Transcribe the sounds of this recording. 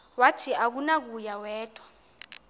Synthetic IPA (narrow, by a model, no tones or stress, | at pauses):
watʰiʔak̬unak̬ujawɛːtʼwa